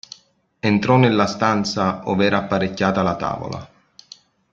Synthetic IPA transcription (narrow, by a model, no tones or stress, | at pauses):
ent̪ɾɔnɪlːast̪ant̪saɔ̰vɛːɾaːpːaɾecːaːt̪alat̪a̰ːvo̰la̰